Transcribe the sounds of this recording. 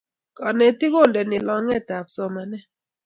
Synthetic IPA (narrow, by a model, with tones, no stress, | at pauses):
kɔ˨nɛ˨ti˦ko˦˨ndɛ˨nɪ˨lɔ˦ŋɛ˦˨ta˨p̚sɔ˦ma˨nɛ˦